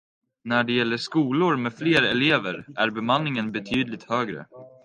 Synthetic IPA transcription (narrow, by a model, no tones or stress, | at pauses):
næɖɛjɛlːəʂkuːlʊɾmɛfleːɾɛleːvəɾʔæ̰ɾbɛmanːɪŋənbɛt̪ʰyːd̪lɪt̪høːɡɾə̰